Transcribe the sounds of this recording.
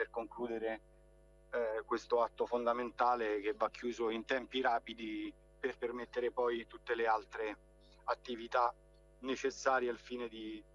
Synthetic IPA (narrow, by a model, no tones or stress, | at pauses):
perkoŋkluːd̪eɾe | kwest̪oat̪ːofond̪ament̪aːlek̟evːakːjuːzoint̪ɛmpiɾaːpid̪i | perpermet̪ːeɾepɔjt̪ut̪ːelealt̪ɾe | at̪ːivit̪a | net͡ʃesːaːɾjealfiːned̪i